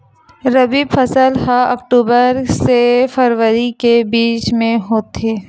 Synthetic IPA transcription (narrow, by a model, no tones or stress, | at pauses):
ɾəbiːbfəsəlɦaə̰kʈuːbəɾsefəɾwəɾikebiːt͡ʃmẽɦoːt̪eː